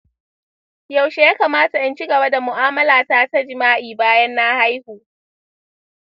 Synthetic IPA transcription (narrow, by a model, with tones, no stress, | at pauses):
ja˨wʃe˨jaː˦kaː˨maː˦ta˨ʔɐ˦nt͡ʃi˦ɡɐ˨ba˦da˨mʊ˨ʔaː˦mɐ˦laː˨ta˦ta˦d͡ʒɪ˨maː˦ʔiː˨baː˦jɐ˦nːa˦ha˦jhuː˨